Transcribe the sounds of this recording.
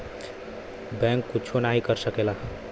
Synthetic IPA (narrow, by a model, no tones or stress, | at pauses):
bɛ̃ŋkːut͡ʃʰonaɦikəɾsəkela